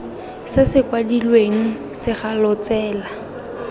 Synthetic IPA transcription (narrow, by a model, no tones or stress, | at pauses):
sɪsɪkwadilweŋ̩ | sɪχalɔt͡sɛːla